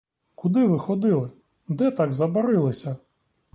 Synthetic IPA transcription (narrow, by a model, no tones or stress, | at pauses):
kʊd̪ɪʋɪxɔd̪ɪlˠɪ | d̪ɛt̪aɡzɐbɐɾɪlˠɪsʲɐ